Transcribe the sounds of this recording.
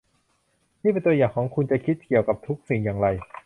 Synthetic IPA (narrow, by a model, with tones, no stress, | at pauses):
mʰiː˥˩pe˧nt̪u˧ɐəjaː˨˩ŋkʰɔː˩˦ŋkʰu˧nt͡ɕa˨˩kʰi˦˥t̪̚ki˨˩əwka˨˩p̚t̪ʰu˦˥k̚si˨˩ŋjaː˨˩ŋɾa˧j